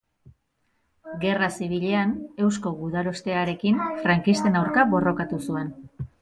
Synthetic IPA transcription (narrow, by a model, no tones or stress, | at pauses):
ɡe̞rasiβ̞iʎe̞ane̞wsko̞ɣuðalo̞st̪e̞aɾe̞kinfɾaŋkist̪e̞nawɾkaβo̞ro̞kat̪usue̞n